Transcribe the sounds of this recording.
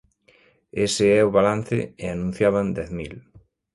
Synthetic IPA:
esɪɛʊβalan̟θɪ̰eanũn̟θjaβand̪ɛθmil

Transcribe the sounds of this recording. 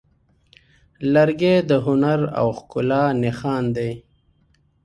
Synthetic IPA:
laɾɡeːd̪əɦʊnaɾa̰wxkʊlɑːnexɑːnd̪ej

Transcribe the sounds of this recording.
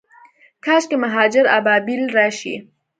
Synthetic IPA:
kʰɑːʃkemaɦɑd͡ʒɪɾa̰bɑbilɾɑʃḭ

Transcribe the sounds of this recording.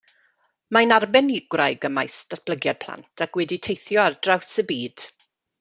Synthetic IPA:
majnarbɛnɪɡwrajɡəmajstat̚b̥ləɡjadpʰl̥ˠa̰ntʰakwɛditʰejθjɔardrawsəbiːd̥

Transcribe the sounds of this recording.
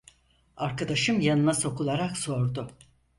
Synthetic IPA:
aɾkad̪aʃɯmjanɯnaso̞kulˠaɾakso̞ɾd̪ʊ

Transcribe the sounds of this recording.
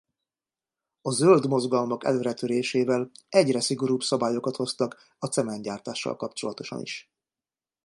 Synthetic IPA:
ɒzøld̪mo̞zɡɒlmɒkɛ̰løːɾɛt̪øɾeːʃeːvɛlɛɟrɛsiɡo̞ɾuːbsɒbaːjo̞kɒt̪ho̞st̪ɒk | ɒt̪sɛmɛɲɟaːrt̪aːʃːɒ̰lkɒpt͡ʃo̞lɒt̪o̞ʃɒ̰nḭʃ

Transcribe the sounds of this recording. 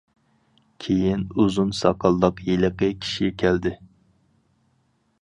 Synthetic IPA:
kʲʰejinuzunsɑqʰɑlˠːəqjelɪqəkʲʰi̥ʃiɡɛkʲʰæld̪ɪ

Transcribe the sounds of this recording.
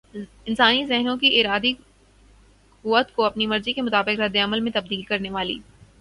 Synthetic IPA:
ɪnsaːnizɛɦnõkiʔɪɾaːd̪i | kʊʋət̪koɐpnimɐɾzikemʊt̪aːbɪkɾɐd̪ːeɐməlmẽt̪ɐb̚d̪iːlkɐɾneʋaːlḭː

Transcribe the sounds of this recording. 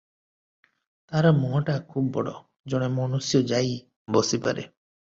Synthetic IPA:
t̪aɾɔmuɦɔʈakʰubbɔ̰ɽɔ̰ | d͡ʒɔɽ̃emɔnusjɔd͡ʒaj | bɔsipa̰ɾḛ

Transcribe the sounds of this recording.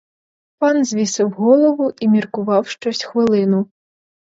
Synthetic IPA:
panzʲvʲisɨwɣɔlˠɐvuʔimʲirkuvawʂt͡ʂɔsʲtʲxvɨlˠɨnu

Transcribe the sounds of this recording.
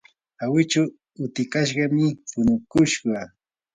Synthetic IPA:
awɪt͡ʃa | ʊt̪ɪkaʃ̬ɢɑmɪpʊnʊkʊʃɢɑ

